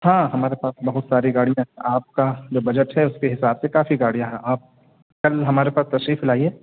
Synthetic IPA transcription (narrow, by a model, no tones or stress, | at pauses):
hãːɦɐmaːɾepaːsbɐɦʊt̪saːɾiɡaːɽijãɦɛ̃ʔaːp̚kad͡ʒoːbɐd͡ʒəʈɦɛʊskeɦɪsaːbsekaːfiɡaːɽijãɦɛaːp̚ | kɐlɦɐmaːɾepaːst̪ɐʃɾiːflaːieː